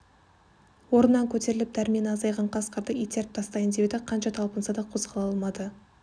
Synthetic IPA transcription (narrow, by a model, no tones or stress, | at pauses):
wo̞ɾənːɑŋkʲʰɵt̪ʰe̞ɾɪlɪp̚d̪æɾmenɑzɑjʁɑɴqʰɑsqəɾd̪əijt̪ʰeɾ̚t̪ʰɑst̪ɑjənd̪ewd̪ɪqʰɑnʃɑt̪ʰɑlˠpənsɑd̪ɑqʰo̞zʁɑlˠɑlˠmɑd̪ə